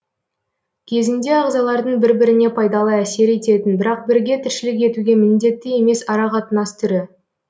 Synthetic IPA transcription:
kʲʰe̞zɪnd̪e̞ɑʁzɑlˠɑɾd̪əɴbɪɾbɪɾɪne̞pʰɑjd̪ɑlˠɑæse̞ɾe̞t̪e̞t̪ɪnbɪɾɑq̚bɪɾɡʲe̞t̪ʰɪɾʃɪlɪkʲe̞t̪uɡʲe̞mɪnd̪e̞t̪ːɪje̞me̞sɑɾɑqʰɑt̪ənɑst̪ʰʏɾɪ

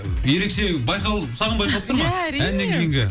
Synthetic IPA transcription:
je̞ɾe̞kʃe̞bɑjqɑlˠəpsɑʁənbɑjqɑlˠp̚t̪əɾmɑænːeŋɡʲejɪŋɡʲɪ

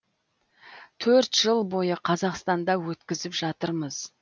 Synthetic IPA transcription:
t̪ʰɵɾt̪ʒ̥əlˠbo̞jəqʰɑzɑqst̪ɑnd̪ɑwɵt̪kʲɪzɪpʒɑt̪əɾməz

